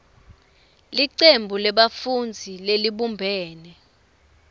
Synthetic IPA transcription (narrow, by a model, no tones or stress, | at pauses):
liǀembʱulɛɓafund͡zʱileliɓumbʱɛːnɛ